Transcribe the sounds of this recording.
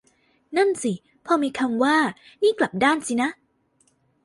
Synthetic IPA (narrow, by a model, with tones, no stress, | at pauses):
na˥˩nsi˨˩ | pʰɔː˧miː˧kʰa˧mwaː˥˩ | niː˥˩kla˨˩p̚daː˥˩˨nsi˨˦na˦˥ʔ